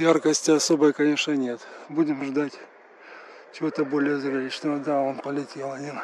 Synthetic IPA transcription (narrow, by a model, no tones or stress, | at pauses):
jarkəsʲtʲɪɐso̞bəjkɐnʲe̞ʂnənʲe̞t̪budʲɪmʐd̪atʲ | t͡ɕɪvo̞t̪əbo̞lʲɪjəzɐɾʲɐlʲit͡ɕnəvəd̪aonpəlʲɪtʲelˠɐnʲi